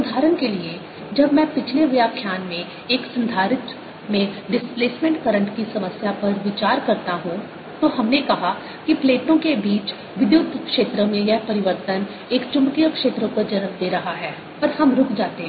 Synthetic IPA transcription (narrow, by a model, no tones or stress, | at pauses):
ʊd̪ʱaːɾənkelie | d͡ʒɐbmɛ̃pɪt͡ʃʰleʋɐjakʰjaːnmẽ | eːksɐ̃nd̪ʱaːɾɪt̪ | mẽɖɪspleːsmẽɳʈkɐɾə̃ɳʈkisɐməsjapɐɾʋɪt͡ʃaːɾkɐɾt̪aɦũ | t̪oɦɐmnekɐɦa | kipleːʈõkebiːt͡ʃ | ʋɪd̪jʊt̪ːkʃeːt̪ɾəmẽjɐɦpɐɾɪʋəɾt̪ən | eːkt͡ʃʊ̃mkijəkʃeːt̪ɾəkod͡ʒɐnəmd̪eːɾɐɦaɦɛː | ɐɾhɐmɾʊkʰd͡ʒaːt̪eɦɛ̃